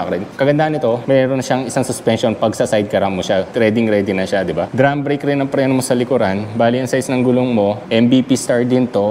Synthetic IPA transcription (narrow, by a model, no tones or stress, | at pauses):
kɐɾɪnkɐɡɐnd̪aʔɐnːɪt̪o̞mɛːɾonːɐʃaŋɪsaŋsʊspɛnʃonpɐɡsɐsajd̪̚kɐɾamːoʃaɾɛd̪ɪŋɾɛːd̪ɪnɐʃad̪ɪbad̪ɾambɾejkɾɪnːɐŋpɾɛːnomosɐlɪkʊɾanbaːliʔɐŋsajsnɐŋɡʊloŋmo̞ʔɛmbipist̪aɹd̪ɪnt̪o̞